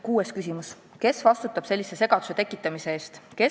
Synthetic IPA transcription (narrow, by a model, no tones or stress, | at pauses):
kuːeskysʲimus | ke̞svɑst̪ut̪ːˑɑb̥se̞lʲːise̞se̞ɡ̥ɑd̪u̥se̞t̪ekːˑit̪ːˑɑmise̞eːst̪ke̞